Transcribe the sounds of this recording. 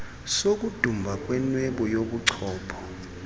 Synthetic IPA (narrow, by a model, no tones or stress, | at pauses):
sok̬ʼud̥ʱumbʱak̬ʼwɛnwɛɓɔjoɓuǀʰɔːpʰɔ̥